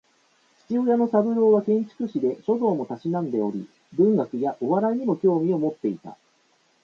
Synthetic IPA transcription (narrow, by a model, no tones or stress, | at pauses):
t͡ɕi̥t͡ɕiojano̞sabɯ̟ɾo̞ːβakẽ̞ɲ̟t͡ɕi̥kɯ̟ɕid̪e̞ɕo̞d̪o̞ːmo̞t̪aɕinãnd̪e̞o̞ɾʲḭ | bɯ̟̃ŋɡakɯ̟jaʔo̞βaɾaiɲ̟imo̞kʲo̞ːmʲio̞mo̞t̪ːe̞it̪a̰